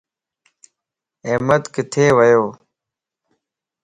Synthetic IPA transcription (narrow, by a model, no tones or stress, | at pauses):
eːmət̪kɪt̪ʰeːʋəjoː